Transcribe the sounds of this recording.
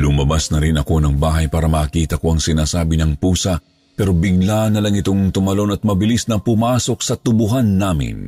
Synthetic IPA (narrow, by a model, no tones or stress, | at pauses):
lʊmɐbasnɐɾɪnɐko̞nɐŋbaːɦɐjpaːɾɐmɐːkiːt̪ɐko̞ɐŋsɪnaːsaːbɪnɐŋpuːsɐ | pɛɾo̞bɪɡlanːɐlɐŋɪt̪o̞ŋt̪ʊmɐlo̞nɐt̪̚mɐbɪlisnɐpʊmaːso̞k̚sɐt̪ʊbʊɦanːaːmɪ̰n